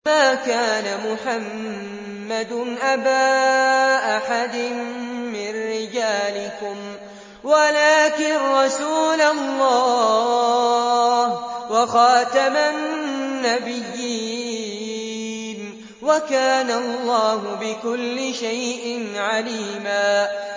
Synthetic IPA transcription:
maːkaːnamʊħamː | ad̪nʔabaːʔaħad̪ɪnmɪnːɪd͡ʒaːlɪkʊm | walaːkɪnɾˤɑsuːlalːɑː | hwɑxɑːt̪amanːabɪjːɪ | n | wakaːnalˤːɑːhʊbɪkʊlːɪʃajʔɪnʕaliːmaː

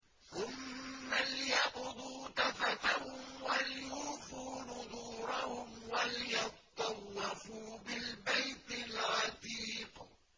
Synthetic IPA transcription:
θʊmːalɪjɑqʊd̪ˤuːt̪afat̪ahʊmwalɪjuːfuːnʊðˤuːɾˤɑhʊmwalɪjɑt̪ˤːɑwːɪfuːbɪlbajt̪ɪlɣɑt̪iːq

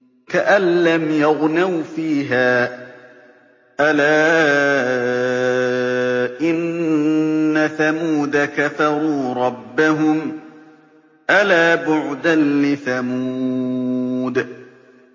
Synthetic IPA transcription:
kaʔanːamjaɣnawfiːɦaː | ʔalaː | ʔɪnː | aθamuːd̪akafɑɾˤuːɾˤɑbːaɦʊm | ʔalaːbʊʕd̪anlɪθamuː | d̪

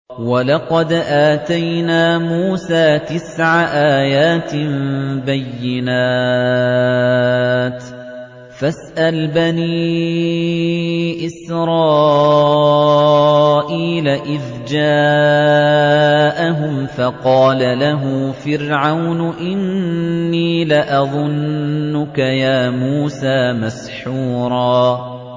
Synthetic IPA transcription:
walɑqɑd̪ʔaːt̪ajnaːmuːsaːt̪ɪsʕaʔaːjaːt̪bajːɪnaː | t̪ | fasʔalbaniː | ʔɪsɾˤɑː | ʔiːlaʔɪð | d͡ʒaː | ʔaɦʊmfɑqɑːlalaɦuːfɪɾʕawnʊʔɪnnːiːlɪʔɑðˤʊnːʊkajaːmuːsaːmas | ħuːɾˤɑː

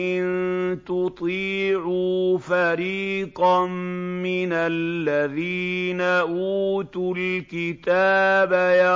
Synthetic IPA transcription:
ʔɪnt̪ʊt̪ˤiːʕufaɾiːqɑmmɪnalːaðiːnaʔuːt̪ʊlkɪt̪aːbaja

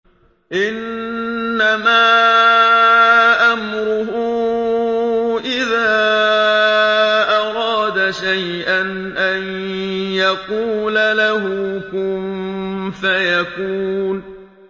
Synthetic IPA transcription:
ʔɪnː | amaː | ʔamɾʊhʊ | ʔɪðaː | ʔɑɾˤɑːd̪aʃaj | ʔan | ʔanjɑquːlalahʊkʊmfajakuːn

